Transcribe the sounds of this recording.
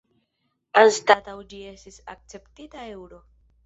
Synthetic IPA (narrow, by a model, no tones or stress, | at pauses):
anstat̪awd͡ʒie̞st̪isa̰k̚t͡se̞ptitaewɾo̞